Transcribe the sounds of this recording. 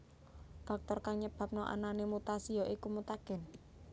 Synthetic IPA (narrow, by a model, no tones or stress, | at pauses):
d̥ɔk̚t̪ɔrkaɲəb̥a̤p̚nɔʔa̰nanemut̪asijɔʔikumut̪aɡ̥ɛ̤n